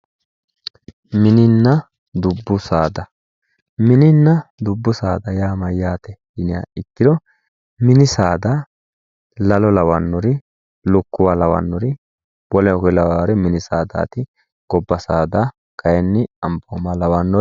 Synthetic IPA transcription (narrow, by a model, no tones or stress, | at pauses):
mɪnɪnːɐ | d̪ʊbːʊsaːd̪ɐ | mɪnɪnːɐd̪ʊbːʊsaːd̪ɐjaːmɐjːaːt̪ɛdɪnɪja̰ːɪt̪ːɪd̪ɔ | mɪnɪsaːd̪ɐ | lɐlɔlɐwɐnːɔɾɪ | lʊkːʊwaːlɐwɐ̰nːɔɾɪ | wɔlɛɔkɔlɐwaːɾɛmɪnɪsaːd̪a̰ːt̪ɪ | ɡ̥ɔbːɐsaːd̪a | kʰɐjɛnːɪɐmboːmaːlɐwɐnːɔ